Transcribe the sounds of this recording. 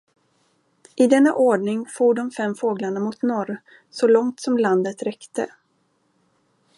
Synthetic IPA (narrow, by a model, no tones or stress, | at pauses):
ʔɪd̪ɛnːa̰ʔoːɖɳɪŋfuːɖɔmfɛmfoːɡlaɳamʊt̪nɔɾ | sɔlɔŋt̪sɔmland̪ət̪ɾɛkt̪ə̰